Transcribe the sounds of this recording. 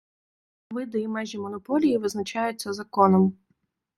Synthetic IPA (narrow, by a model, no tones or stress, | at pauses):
ʋɪd̪ɔjimajʒɛmɔnɔpɔlʲijiʋɪznɐt͡ʃajʊt͡sʲːɐzɐkɔnɔm